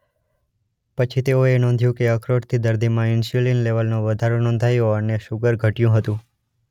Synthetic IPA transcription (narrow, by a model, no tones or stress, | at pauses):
pət͡ʃʰit̪eoenɔ̃nd̪ʱjũkeəkʰɾoʈt̪ʰid̪əɾd̪imãɪnsjulinleʋəlnoʋəd̪ʱaɾonɔ̃ːnd̪ʱajoəneʃuɡəɾɡʱəʈjũɦət̪ũ